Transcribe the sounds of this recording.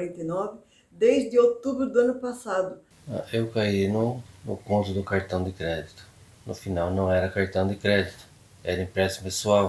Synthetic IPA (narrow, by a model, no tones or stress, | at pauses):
ɾẽnt̪enɔvɪ | d̪ejzd̪ɪot̪ubɾʊd̪ʊɐ̃nʊpasad̪ʊ | a̰ewkainʊnʊkõnt̪ɾʊd̪ʊkaɾt̪ɐ̃w̃d̪ɪkɾɛd̪it̪ʊ̥ | nʊfinawnɐ̃w̃ɛɾɐkaɾt̪ɐ̃w̃d̪ɪkɾɛd̪it̪ʊ̥ | ɛɾɐĩpɾɛsɐ̥pesuaw